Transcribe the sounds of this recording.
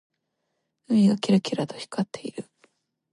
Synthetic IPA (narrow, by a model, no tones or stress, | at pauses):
ɯmʲiɡakʲiɾakʲiɾat̪o̞çi̥kat̪ʰːe̞iɾɯ̟